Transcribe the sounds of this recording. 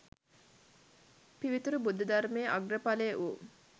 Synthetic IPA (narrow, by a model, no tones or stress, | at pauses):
piʋit̪uɾubud̪ʱːɐd̪armeːʔaɡrəpalejːʔu